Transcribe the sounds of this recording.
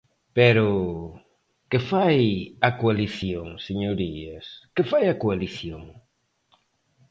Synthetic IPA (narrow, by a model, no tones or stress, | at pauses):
pɛɾʊ | kɪfajɐkoaliθjoŋseɲoɾiɐskɪfajɐkoaliθjoŋ